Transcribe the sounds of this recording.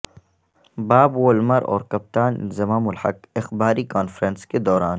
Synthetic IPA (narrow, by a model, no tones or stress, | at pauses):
baːbwoːlmɐɾɔ̰ːɾkɐp̚t̪aːnzɐmaːmʊlha̰kɪxbaːɾikaːnfɾənsked̪ɔːɾaːn